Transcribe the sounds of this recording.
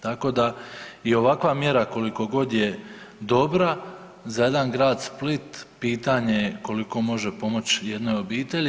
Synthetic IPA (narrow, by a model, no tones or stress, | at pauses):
t̪ako̞d̪aio̞ʋakʋamje̞ɾako̞liko̞ɡo̞d̪je | d̪o̞bɾa | zaje̞d̪anɡɾaːd̪split̪piːt̪aɲe̞ko̞liko̞mo̞ʒe̞po̞mo̞t͡ɕje̞d̪no̞jo̞biːt̪eʎi